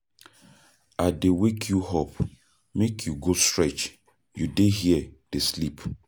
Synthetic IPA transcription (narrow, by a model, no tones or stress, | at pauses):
adewekʰjuɦɔp | mekʰjuɡostɹɛt͡ʃ | judeɦiɛd̥eslip